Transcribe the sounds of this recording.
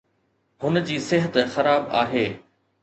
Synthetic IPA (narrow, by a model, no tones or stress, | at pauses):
hʊnd͡ʑiːsɪɦət̪xɐɾaːba̰ːɦeː